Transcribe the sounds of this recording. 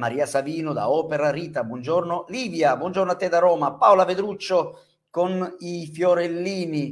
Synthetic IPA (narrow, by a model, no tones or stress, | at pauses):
maɾiːasaviːnʊd̪a̰ɔːpeɾariːt̪abwɔnd͡ʒornoliːvjabwɔnd͡ʒornoat̪ːed̪aɾɔːmapaolaved̪ɾut͡ʃːo | konifjoɾelːiːni